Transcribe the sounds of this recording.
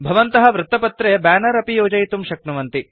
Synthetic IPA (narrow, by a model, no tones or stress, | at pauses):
bʱɐʋɐnt̪ɐɦɐ̆ʋɾut̪ːɐpɐt̪ɾeːbaːnɐɾɐpijoːd͡ʒɐjt̪umʃɐknɐʋɐnt̪i